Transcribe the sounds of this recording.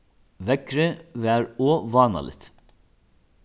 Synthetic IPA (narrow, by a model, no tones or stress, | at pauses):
ʋɛkɾəʋeæːɾoːʋɑːnɑ̰lʔɪ̰t̪